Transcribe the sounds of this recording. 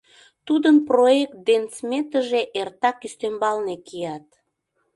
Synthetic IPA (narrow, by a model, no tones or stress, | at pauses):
t̪ud̪ənproek̚t̪̚d̪ent͡smet̪əʒeʔert̪ɑkyst̪embɑlnekijɑt̪